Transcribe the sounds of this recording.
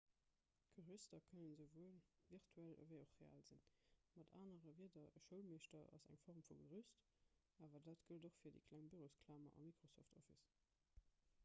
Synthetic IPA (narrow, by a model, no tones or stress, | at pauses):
ɡ̥əʁystɐkʰənənzəʊvuəlviʁtʰuælə̰vəɪoχʁea̰ːlzinmɑda̰ːnəʁəviədɐʔəʃəʊlmeːʃtɐʔɑ̰zæ̰ŋfɔʁmfuɡəʁyst | ʔaːvɐdaːtɡ̥əldoχfiɐdḭkʰlæŋbiʁoskʰlaːmɐ̰ʔɑ̰mikʁosoftofis